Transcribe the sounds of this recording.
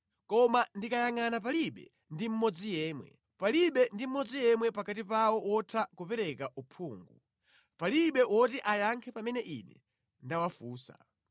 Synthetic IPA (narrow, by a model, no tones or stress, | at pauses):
kɔmandikajaŋanap̬aliɓɛ̰ | ndim̩mɔd͡zijɛːmwɛ̰ | paliɓɛndim̩mɔd͡zijɛmwɛpakatipawɔwɔtʰakupɛɾɛkaʔupʰuːŋɡu | paliɓɛwɔt̬iʔajaŋkʰɛpamɛnɛʔḭnɛ̰ | ndawafuːsa̰